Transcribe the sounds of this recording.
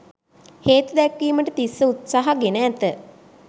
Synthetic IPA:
heːt̪ud̪ɛkʋiːməʈət̪isːəut̪saɦaɡenəːt̪ə

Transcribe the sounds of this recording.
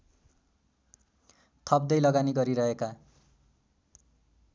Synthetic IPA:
t̪ʰʌb̚d̪ʌjlʌɡaniɡʌɾiɾʌɦeka

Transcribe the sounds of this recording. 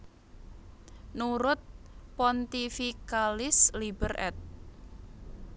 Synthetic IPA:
nuɾʊt̪̚pɔnt̪ifikalɪslibərʔɛ̰t̪̚

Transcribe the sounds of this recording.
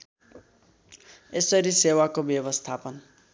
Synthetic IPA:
esʌɾisewakobjʌbʌst̪ʰapʌn

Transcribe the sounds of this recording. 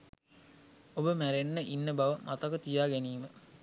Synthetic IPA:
obəmæɾenːəʔinːəbaʋəmʔat̪əkət̪ijaːɡæniːmə

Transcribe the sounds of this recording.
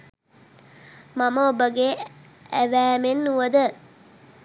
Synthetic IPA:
maməobəɡeː | æʋæːmenːuʋəd̪ə

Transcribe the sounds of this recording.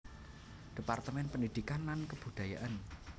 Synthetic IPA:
d̥i̤part̪əmɛnpənid̪̥i̤kanːankəb̥ṳd̪̥a̤ja̰ʔan

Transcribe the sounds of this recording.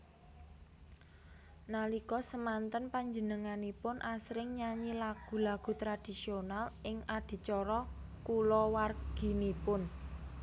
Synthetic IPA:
nalikɔsəmant̪ənpaɲd͡ʒənəŋanipʊnʔasɾɪŋɲaɲilaɡ̥ṳlaɡ̥ṳt̪ɾad̪̥i̤sionalʔɪŋad̪̥i̤t͡ʃɔɾɔkulɔwarɡ̥i̤nipʊn

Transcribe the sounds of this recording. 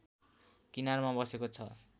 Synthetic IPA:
kinarmabʌsekot͡sʰʌ̰

